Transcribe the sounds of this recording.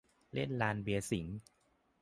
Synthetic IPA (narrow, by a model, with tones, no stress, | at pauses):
le˥˩nlaː˧nbi˧ɐsi˩˦ŋ